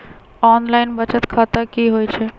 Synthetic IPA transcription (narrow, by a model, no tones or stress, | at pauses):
ɔːnlaːɪnbət͡ʃət̪kʰaːt̪akiɦoːjt͡ʃʰe